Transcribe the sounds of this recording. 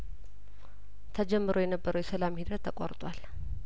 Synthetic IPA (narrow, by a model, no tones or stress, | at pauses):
t̪ʰəd͡ʒɛmːɨɾojɛnəbːəɾəwjɛsəlamhid̪ɾət̪ʰːəkʼo̰ɾt̪ʼwal